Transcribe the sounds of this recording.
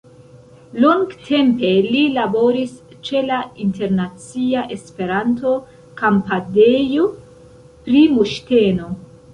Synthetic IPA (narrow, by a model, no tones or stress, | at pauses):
loŋɡtʰe̞mpe̞lilabo̞ɾis | t͡ʃe̞lainte̞ɾnat͡siaʔe̞spe̞ɾanto̞ | kampadejo | pɾimuʃte̞no̞